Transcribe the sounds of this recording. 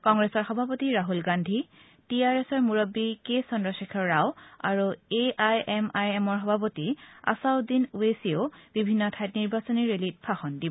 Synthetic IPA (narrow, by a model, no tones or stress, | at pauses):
kɔŋɡɹesɔɹxɔbʱapotiɹaɦulɡandʱi | tiaɹɛsɔɹmuɹɔbːikesɔndɔsikʰɔɹːawa̰ɹueajɛmajɛmɔɹxɔbʱapotia̰saʊdinuesioʊb̥ibʱinːɔtʰajtniɹbasɔniɹelit̚pʰaxɔndibɔ